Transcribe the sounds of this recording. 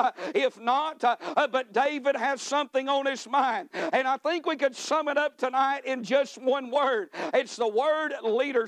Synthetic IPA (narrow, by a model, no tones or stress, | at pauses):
ɪfnət̚bʌt̚d̥eɪvɨd̚ɨz̥sʌ̃mθɪ̃ŋə̃nɨzmãɪ̃nd̥̚ɨ̃naɪθɪ̃ŋkwikɨdsʌ̃mɨɾʌp̚tʰɨnaɪɾɪ̃nd͡ʒʌst̚wʌ̃nwɜ˞d̚ɨtsðəwɜ˞dliɾə˞